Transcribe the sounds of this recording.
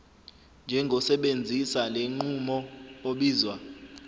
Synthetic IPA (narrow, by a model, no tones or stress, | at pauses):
nd͡ʒʱɛŋɡʱɔsɛɓend͡zʱisaleŋ͡ǃumɔoɓiːzwa